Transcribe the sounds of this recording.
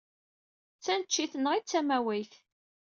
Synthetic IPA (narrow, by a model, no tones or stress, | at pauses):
t͡sːænt͡ʃːiθənəʁit͡sːæmæwæjθ